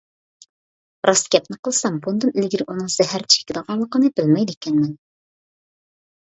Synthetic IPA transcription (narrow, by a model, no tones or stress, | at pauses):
ɾɑskʲɛp̚nɨqəlˠsɑmbund̪ɨnɪlɡʲiɾɪʔunɨŋz̥ɛɦæɾt͡ʃʰe̥kʲɪd̪əʁɑnlˠəqənɨbɪlmɛjd̪ekʲʰɛnmɛn